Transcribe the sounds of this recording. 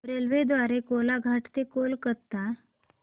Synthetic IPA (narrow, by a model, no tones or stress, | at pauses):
ɾelʋed̪ʋaɾekolaɡʱaʈt̪ekolkəɾt̪a